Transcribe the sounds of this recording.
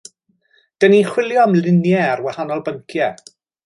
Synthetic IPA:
d̥əniχwɪlˠjɔmlˠɪnjɛarwahanɔlˠbəŋkʰjɛ

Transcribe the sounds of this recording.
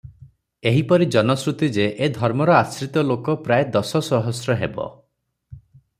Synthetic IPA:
eɦipɔɾid͡ʒɔnɔsɾut̪id͡ʒeʔed̪ʱɔɾmɔɾɔasɾit̪ɔlokɔpɾaed̪ɔsɔsɔɦɔsɾɔɦebɔ̰

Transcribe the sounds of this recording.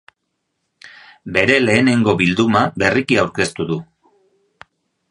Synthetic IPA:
be̞ɾe̞le̞ːne̞ŋɡo̞βild̪umabe̞rikiawɾke̞st̪uðu

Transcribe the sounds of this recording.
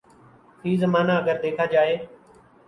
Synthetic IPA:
t̪ʰiːzəmaːnaəɡəɾd̪eːkʰaːd͡ʒaːeː

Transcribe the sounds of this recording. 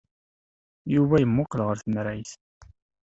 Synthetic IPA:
juvæjəmːʊqlʁəɾθənɾæjθ

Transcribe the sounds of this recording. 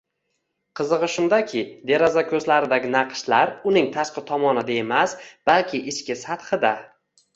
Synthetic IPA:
qʰɨzɨʁɨʃʊnd̪akʲʰɪd̪eɾɒzakʲʰɵzlaɾɪd̪aɡʲɪnaqʃlaɾʊnɪŋt̪ʰaʃqɨt̪ʰɒmɒnɪd̪aemasb̥alkʲʰɪʔɪʃkʲɪsat̪χɨd̪a

